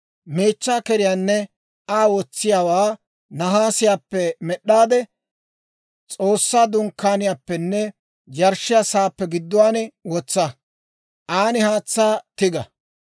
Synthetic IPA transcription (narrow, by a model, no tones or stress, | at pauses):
me̞ːt͡ʃːaːkɛɾɪjaːnːɛ | aːwɔt͡sːɪjaːwaː | nɐɦaːsɪjaːpːɛmɛɗːaːd̪ɛ | t͡sʼoːsːaːd̪ʊŋkːaːnɪjaːpːɛnːɛ | d͡ʒɐɾʃːɪjasaːpːɛɡɪd̪ːʊwaːnɛwɔt͡sːɐ | ʔaːnɪhaːt͡sːaːt̪ɪɡɐ